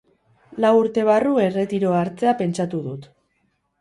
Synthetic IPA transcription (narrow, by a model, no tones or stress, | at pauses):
lawuɾt̪e̞β̞arue̞re̞t̪iɾo̞aɾt͡se̞ape̞nt͡ʃat̪uðut̪